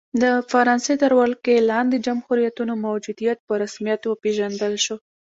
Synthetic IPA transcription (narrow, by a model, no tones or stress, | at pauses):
d̪əfaɾɑnset̪əɾwalkelɑnd̪ed͡ʒamxʊɾijat̪unomawd͡ʒud̪ijat̪̚pəɾasmijat̪wəpeʒand̪əlʃo